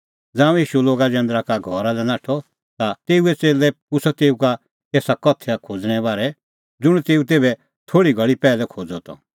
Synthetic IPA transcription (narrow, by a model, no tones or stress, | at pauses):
d͡zãːũjiːʃuloːɡad͡ʒɛ̃ːnd̪ɾakaɡʱɔɾalɛnaːʈʰɔ | t̪at̪eːuɛt͡seːlɛkʊsɔt̪eːuka | eːsakɔt̪ʰɛakʰoːd͡zɽ̃ɛbaːɾɛ | d͡zʊɽ̃t̪eːut̪eːbɛ | t̪ʰoːɽiɡʱɐɭipɛːlɛkʰoːd͡zɔt̪ɔ̰